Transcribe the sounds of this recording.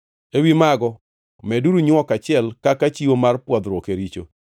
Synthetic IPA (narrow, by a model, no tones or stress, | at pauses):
ewimaɡɔ | mɛduɾuɲɔkat͡ʃɪɛlkakat͡ʃiwomarpwɔd̪ɾwokeɾit͡ʃo̰